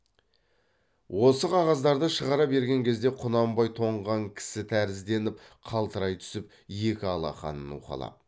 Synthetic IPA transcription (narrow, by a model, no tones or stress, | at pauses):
wʔo̞səqʰɑʁɑzd̪ɑɾd̪əʃəʁɑɾɑbe̞ɾɡʲe̞ŋkʲʰezd̪e̞qʰʊnɑmbɑjt̪ʰo̞ɴʁɑŋkʲʰɪ̥sɪt̪ʰæɾɪzd̪e̞nɪp̚qʰɑlˠt̪əɾɑjt̪ʰʏ̥sɪp̚ | je̞kʲɪɑlˠɑ̰χɑ̰nənṵqɑ̰lˠɑ̰